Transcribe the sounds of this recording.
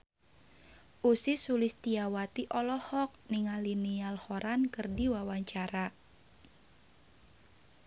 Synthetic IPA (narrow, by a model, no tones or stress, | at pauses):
ʔusɪsulɪst̪iawat̪iʔɔlɔhɔk̚niŋalinialhoɾankɨrdiwawaɲt͡ʃaɾa